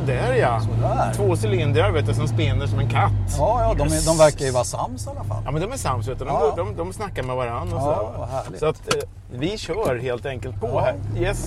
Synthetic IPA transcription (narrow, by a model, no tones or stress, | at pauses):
d̪ɛæɾjat̪ʰvoːsɛlɪnd̪ɾaɾveːt̪jasɔmspɪnːəʂɔmɛnkʰat̪ːjɑːd̪ɔmɛd̪ɔmvæɾkajɵvɑːɾasa̰mːsalːafa̰ljɑːmɛnd̪ɔmæʂamːsveːt̪and̪ɔmd̪ɔmd̪ɔmsnakːaɾmɛvaɾand̪ɔsɪsɔat̪ | vɪɕœːɾheːlt̪ɛŋkəlt̪̚pʰɔhæɾjɛs